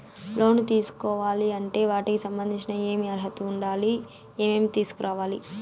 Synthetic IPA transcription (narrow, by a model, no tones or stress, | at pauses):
lo̞ːnut̪iːsu̥kɔːʋaːliɐɳʈe̞ːʋaːʈikisɐmbɐnd̪ʱiɲt͡ʃinɐe̞ːmiɐɾɐɦɐt̪uːɳɖaːli | eːmeːmit̪iːsu̥kuɾʔaːʋaːli